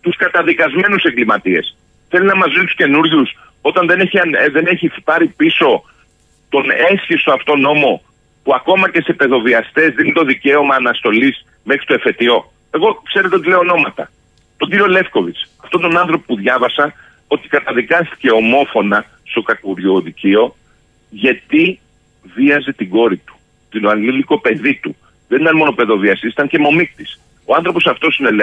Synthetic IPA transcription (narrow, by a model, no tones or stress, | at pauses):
t̪uskɐt̪ɐðikɐzme̞nuseŋɡlimɐt̪ie̞s | θe̞linɐmɐzust̪u̥sce̞nuɾʝus | o̞t̪ɐnðe̞neçiɐnðe̞ne̞çipɐɾipiso̞ | t̪o̞ne̞sçist̪o̞ɐft̪o̞no̞mo̞ | puɐko̞mɐce̞se̞pe̞ðo̞viɐst̪e̞zðinit̪o̞ðice̞o̞mɐːnɐst̪o̞lis | me̞xɾi̥t̪o̞efe̞t̪io̞ | e̞ɣo̞kse̞ɾe̞t̪eot̪ileono̞mɐt̪ɐ̰ | t̪o̞ɟiɾio̞le̞fko̞vit͡sɐft̪ot̪onɐnθɾo̞popuðʝɐvɐsɐ | o̞t̪i̥kɐt̪ɐðikɐst̪i̥ce̞o̞mo̞fo̞nɐ | st̪o̞kɐkuɾʝoðicio̞ | ʝɐt̪i | viɐzet̪iɡo̞ɾit̪u̥ | t̪inoɐŋɡliliko̞pe̞ðit̪u | ðenit̪ɐnmo̞nope̞ðo̞viɐst̪isit̪ɐɲce̞mo̞mikt̪is | o̞ɐnθɾo̞po̞sɐft̪o̞sinel